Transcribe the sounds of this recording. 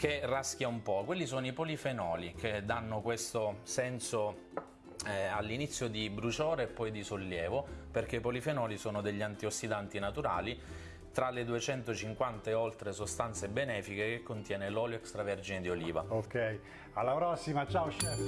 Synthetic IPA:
kerask̟jaumpɔkwelːisoːnoipolifenɔːliked̪anːokwest̪osɛnso | alːinit̪sːjod̪ibɾut͡ʃoːɾeːpːɔjd̪isolːjɛːvoperkepolifenɔːlisoːnod̪eʎːant̪iosːid̪ant̪inat̪uɾa̰ːli | t̪ɾaled̪uet͡ʃɛnt̪ot͡ʃiŋkwant̪aeolt̪ɾesost̪ant̪sebenɛːfikekekːont̪jɛːnelɔːljoɛkst̪ɾavɛrd͡ʒined̪ioliːvaokɛj | alːapɾɔsːimat͡ʃawʃɛ

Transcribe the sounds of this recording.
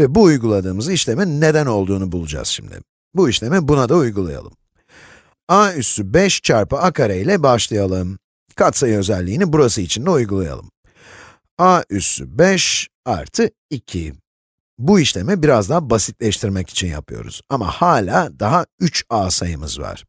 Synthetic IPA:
vɛbuːjɡulˠad̪ɯːmɯziʃlʲeminːe̞d̪æno̞lˠd̪uːnubulˠud͡ʒa̰z̥ʃimd̪ɪ̰ | buiʃlʲe̞mɛbunad̪aujɡulˠaja̰lˠɯm | aːysybɛʃt͡ʃʰaɾpɯakʰaɾailʲɛbaʃlˠajalˠɯm | kʰat̪sajø̞zɛlʲːiːnibuɾasɯit͡ʃʰind̪ɛujɡulˠaja̰lˠɯ̰m | aysy̰bɛʃ | a̰ɾt̪ʰɯ | icʰi | buiʃlʲe̞mɛbiɾazd̪abasit̪lʲɛʃt̪ʰiɾmɛci̥t͡ʃʰinja̰pʰɯjo̞̰ɾṵz̥ama̰haːlʲaːd̪aɦayt͡ʃaːsajɯmɯzva̰ɾ̥

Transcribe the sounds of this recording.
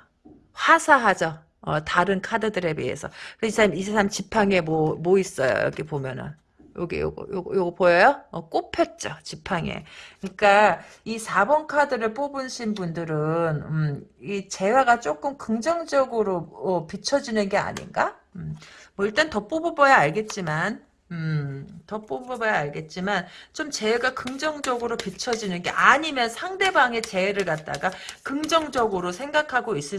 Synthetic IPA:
ɸwasʰaɦad͡ʑʌ | ʌtaɾɯnkʰadɯdɯɾe̞bḭɦe̞̰sʰʌ̰kɯɾisʰamid͡ʑʰesʰamt͡ɕipʰaŋe̞momois͈ʌjo̰jʌ̰ɡʰepomjʌnɯ̰n | joɡḭjo̰ɡʌ̰joɡjoɡpojʌjoʌk͈opʰjʌt̚t͡ɕ͈ot͡ɕipʰaŋḛkɯɲik͈a | isʰabʌnkʰadɯɾɯɭp͈obɯnɕʰinbundɯɾɯnmit͡ɕe̞waɡat͡ɕ͈ok͈ɯmkɯŋd͡ʑʌŋd͡ʑʌɡɯɾoʌpit͡ɕʰʌd͡ʑinɯnɡe̞a̰ɲḭnɡa | mmʌiɭt͈antʌp͈obubʌjaaɭɡe̞t̚t͡ɕ͈iman | ɯtʌp͈obbʌjaaɭɡe̞t̚t͡ɕ͈imant͡ɕomt͡ɕe̞ːɡakɯŋd͡ʑʌŋd͡ʑʌɡɯɾopit͡ɕʰʌd͡ʑinɯnɡe̞̰ʔaɲimjʌnsʰaŋde̞baŋe̞t͡ɕe̞weɾɯɭɡat̚t͈a̰ɡakɯŋd͡ʑʌŋd͡ʑʌɡɯɾosʰe̞ŋɡakʰaɡois͈ɯ

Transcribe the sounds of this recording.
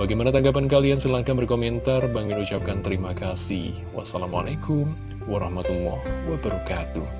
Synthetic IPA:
baɡajmanat̪aŋɡap̬ankaliansəlaŋkambərkomɛnt̪arbaŋɡɪnut͡ʃap̚kant̪əɾimakasɪ̰h | wa̰salama̰lajkʰʊm | waɾɑhmat̪ulɔ̰hwabaɾukat̪u

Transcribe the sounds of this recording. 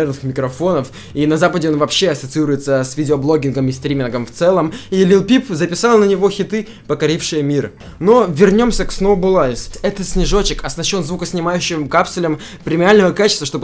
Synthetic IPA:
ernɨxmʲɪkɾɐfo̞nəf | inɐzapədʲɪo̞nvɐpɕːe̞ɐsət̪sɨiɾʊjɪt̪səsʲvʲidʲɪoblˠo̞ɡʲɪnɡəmɪst̪ɾʲimʲɪnɡəmft̪sɛlˠəmilʲilˠpʲipzəpʲɪsalˠnənʲɪvo̞xʲɪt̪ɨ | pəkɐɾʲifʂɨjəmʲir | no̞vʲɪrnʲo̞msʲəksnovbʊlˠaɪsɛt̪ət̪sʲnʲɪʐo̞t͡ɕɪkɐsnɐɕːo̞nzvukəsʲnʲɪmajʉɕːɪvəmkapsʲt̪ʲʊlʲəm | pɾʲɪmʲɪalʲnəvəkat͡ɕɪst̪vəʂt̪o̞bɨ

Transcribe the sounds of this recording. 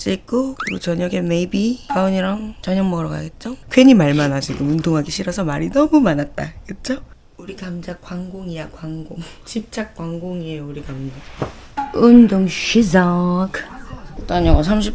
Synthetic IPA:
t͡ɕ͈ik͈okɯɾiɡot͡ɕʌɲʌɡemeibikaoɲiɾaŋt͡ɕʌɲʌŋmʌɾʌɡa̰ɡet̚t͡ɕ͈okʰweɲimaɭmanad͡ʑiɡomuntʰoŋɦaɡiɕʰiɾʌsʰʌmaɾinʌmumanat̚t͈akɯt̚t͡ɕ͈ʰo | uɾikamd͡ʑak͈waŋɡoŋiakwaŋɡoŋt͡ɕip̚t͡ɕ͈ʰak̚k͈waŋɡoŋieuɾikamd͡ʑa | undoŋɕʰid͡ʑʌkt͈ʌnjʌŋʌsʰamɕ̬ʰip̚

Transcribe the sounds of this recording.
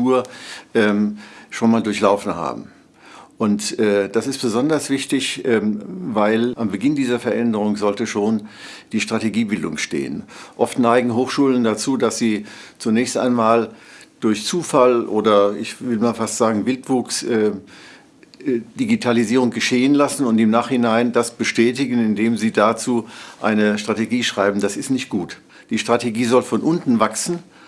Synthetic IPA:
uːɐʔɛːmʃoːnmaːldʊɐçlaʊfn̩ha̰ːbm̩ | ʔʊntʔɛːd̥asɪst̚b̥əzɔndɐsv̥ɪçtɪçʔɛːmvaɪlambəɡɪndiːzɐfɛɐʔɛndəʁ̞ʊŋzɔltəʃoːn | d̥iːʃtʁ̥ateɡiːbɪldʊŋʃtḛːənʔɔftnaɪɡŋ̩ɦoːxʃuːləndat͡suːdasz̥iːt͡sunɛːçsta̰ɪnmaːld̥ʊɐçt͡suːfalʔoːdɐɪçvɪlmaːlfastz̥aːɡŋ̩vɪltv̥uːksʔɛː | d̥iɡitʰaliziːʁ̞ʊŋɡəʃeːənlasn̩ʊntɪmnaːχhɪnaɪndasb̥əʃtɛːtɪɡn̩ɪndeːmziːdat͡suːʔa̰ɪnəʃtʁ̥ateɡiːʃʁ̥aɪbm̩dasɪstnɪçt̚ɡ̥uːt | d̥iːʃtʁ̥ateɡiːzɔlfɔnʔʊntn̩vaksn̩

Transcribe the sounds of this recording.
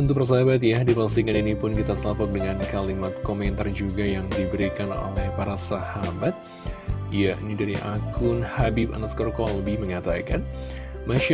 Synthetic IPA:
ənt̪upərs̬aɦabat̪̬jadipasikaninipʊnkit̪asəlapɔk̚dəŋankalimat̪̚komɛnt̪ard͡ʒuɡajaŋdibəɾikano̰lɛhpaɾasahabat̪̚ | janidaɾiʔakʰʊnhabipa̰naskɔrkɔləbɪhməŋat̪akanmaʃa

